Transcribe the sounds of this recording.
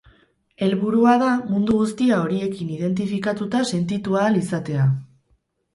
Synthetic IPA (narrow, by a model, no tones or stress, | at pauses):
e̞lβuɾuað̞amund̪uɣust̪iao̞ɾie̞kinið̞e̞nt̪̬ifikat̪ut̪ase̞nt̪it̪ualisat̪e̞a